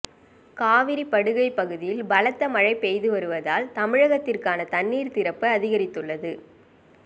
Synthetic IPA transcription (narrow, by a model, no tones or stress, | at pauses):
kaːʋɪɾipːɐɽɯɣɐɪpːɐɣɯðɪjɪlbɐlɐt̪ːɐmɐɻɐɪpɛjðɯʋɐɾɯʋɐðaːlt̪ɐmɪɻɐɣɐt̪ːɪrkaːnɐt̪ɐnːiːɾt̪ɪɾɐpːɯɐðɪɣɐɾɪt̪ːɯɭːɐðɯ